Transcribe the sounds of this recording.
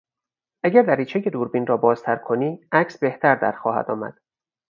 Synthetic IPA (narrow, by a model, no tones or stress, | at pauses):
ʔæɟæɾvæɾiːt͡ʃʰejed̪uːɾbiːnrɒːbɒːz̥t̪ʰæɾkʰo̞niːʔæcʰsbe̞ht̪ʰæɾd̪æ̰ɾxɒːhæ̰d̪ɒ̰ːmæ̰d̪̥